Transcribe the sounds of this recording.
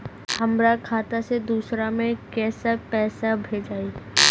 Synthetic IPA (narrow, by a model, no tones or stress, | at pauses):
hɐmɾakʰaːt̪ased̪uːsɾamẽkɛːsapɛːsabʱeːd͡ʒaːi